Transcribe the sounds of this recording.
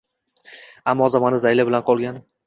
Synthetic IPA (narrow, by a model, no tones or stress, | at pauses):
amːɒzamanɪzajlabɪlanqʰɒlˠɡʲan